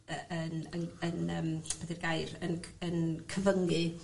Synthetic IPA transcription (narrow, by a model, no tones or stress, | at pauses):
əənənənəːmpɛdirɡajrənənkʰəvəŋɨ